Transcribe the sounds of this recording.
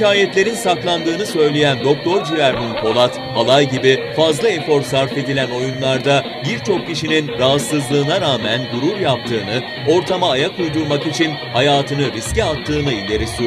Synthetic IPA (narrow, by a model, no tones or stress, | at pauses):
icaːjɛt̪lʲe̞ɾinsaklˠand̪ɯːnɯsø̞jlʲe̞jænd̪o̞k̚t̪ʰo̞ɾd͡ʒyjæɾminbʰo̞lˠat̪ | alˠajɟibifazlˠaefo̞ɾsaɾfe̞d̪ilʲæno̞junlˠaɾd̪a | biɾt͡ʃʰo̞k̚cːiʃininɾaɦat̪sɯzlˠɯːnaɾaːmænɡuɾuɾjap̚t̪ʰɯːnɯ | o̞ɾt̪ʰamaːjakʰujd̪uɾmakit͡ʃʰin | hajaːt̪ʰɯnɯɾisciat̪ʰːɯːnɯilʲd̪ʲe̞ɾisy